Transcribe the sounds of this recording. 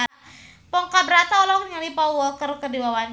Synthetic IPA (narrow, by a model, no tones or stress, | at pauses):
pɔŋkabəɾat̪aulɔkɲalipawwəlkərkədiwawan